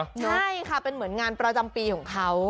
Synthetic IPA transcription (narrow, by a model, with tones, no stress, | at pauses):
a˥˩jkʰa˥˩pe˧nmɯ˩˦ənŋaː˧npɾa˧t͡ɕa˧mpiː˧kʰɔː˩˦ŋkʰa˦˥w